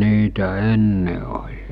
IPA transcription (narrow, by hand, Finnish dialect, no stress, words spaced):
niːtæ enːe olʲ